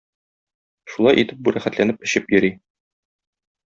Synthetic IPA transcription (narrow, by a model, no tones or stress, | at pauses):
ʃulˠɑjʔit̪ɘp̚buɾæχæt̪lænɘp̚ɘ̆ɕɘpjɵ̆ɾi